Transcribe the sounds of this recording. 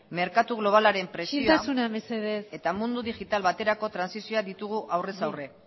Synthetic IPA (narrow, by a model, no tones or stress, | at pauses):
me̞ɾkat̪uɣ̞lo̞β̞alaɾe̞mpɾe̞siot̪asunameseðese̞t̪amund̪uðiʝit̪alβat̪e̞ɾako̞t̪ɾansisio̞aðit̪uɣ̞uʔawre̞sawre̞